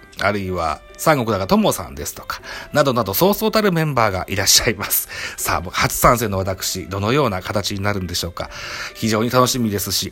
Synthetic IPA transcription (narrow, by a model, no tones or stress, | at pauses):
a̰ɾɯ̟iβa̰ | sãŋɡo̞kɯ̟d̪aɡat̪o̞mo̞sã̰nd̪e̞sɨ̥t̪o̞̥kḁnad̪o̞nad̪o̞so̞ːsoːt̪aɾɯ̟mẽ̞mbaːɡa̰ʔiɾaɕːaimasɨ̥sa̰ːbokhat͡sɨ̥sãse̞ːno̞β̞at̪akɯ̟̥ɕid̪o̞no̞jo̞ːnakat̪at͡ɕiɲinaɾɯ̟nd̪e̞ɕo̞ːka̰çiʑo̞ːɲ̟it̪ano̞ɕimʲid̪e̞sɨɕi